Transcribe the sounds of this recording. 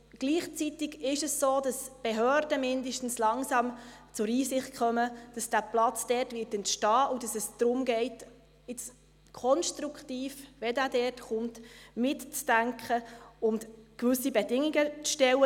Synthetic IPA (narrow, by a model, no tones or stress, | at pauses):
ɡ̥liːχt͡sitɪɡɪʃɛssoːd̥ɑsb̥eɦøːɾdəmɪndəʃtən̩slɑŋsɑmt͡sʊɾiːsɪχt̚kχœməd̥ɑsd̥æːplɑt͡sd̥ɛːrtʋɪːtɛntʃtɑːʔud̥ɑsɛsd̥ɾʊmɡɛɪt | ɪt͡s | kʰɔnʃtɾuktiːfʋɛdæːdɛːtχʊntmɪtt͡sd̥æŋkχəʊntkʋvʏsibɛdɪŋiɡət͡sʃtɛwə